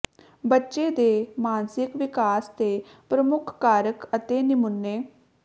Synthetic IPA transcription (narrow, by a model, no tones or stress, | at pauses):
bətːʃeːd̪eːmaːnsɪkʋɪkaːst̪eː | pɾəmʊkʰːaːɾəkət̪eːnɪmʊnːeː